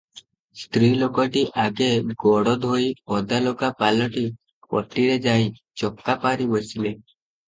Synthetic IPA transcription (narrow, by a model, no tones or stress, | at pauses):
st̪ɾiːlokɔʈiʔaɡeɡɔɽɔd̪ʱoiɔd̪alokapalɔʈi | pɔ̰ʈːiɾed͡ʒai | t͡ʃɔkːapaɾibɔt͡ʃile